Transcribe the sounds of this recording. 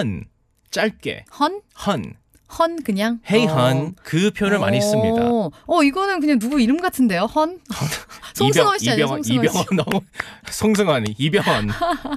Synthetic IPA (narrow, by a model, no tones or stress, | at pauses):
hʌn | t͡ɕ͈aɭ̚k͈e̞̰hʌnhʌn | hʌnkɯɲaŋhe̞iɦʌnkɯpʰjoɾɯɭma̰ɲis͈ɯmɲida̰ʌiɡʌnɯnkɯɲaŋnuɡuiɾɯmɡatʰɯnde̞johʌn | sijʌibjʌibjʌŋʌn | sʰoŋs̬ʰɯŋaɲiibjʌŋʌn